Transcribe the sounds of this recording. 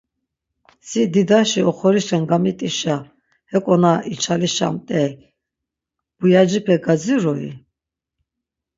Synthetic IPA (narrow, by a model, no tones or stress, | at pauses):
sid̪id̪aʃiɔχɔɾiʃɛnɡamit̪ʼiʃa | hɛkʼɔnait͡ʃʰaliʃa̰mt̪ʼɛ | b̥ujad͡ʒipʰɛɡad͡ziɾɔḭ